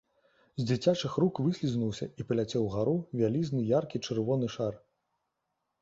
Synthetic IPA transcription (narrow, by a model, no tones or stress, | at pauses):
zʲd͡zʲit͡sʲat͡ʂɨxɾukvɨsʲlʲiznuwsʲɐ̰ipɐlʲat͡sʲɛwɣaɾuvʲalʲiznɨjarkʲit͡ʂɨrvɔnɨʂar